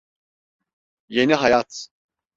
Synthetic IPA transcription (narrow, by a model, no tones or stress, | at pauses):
jeniɦajat̪ʰ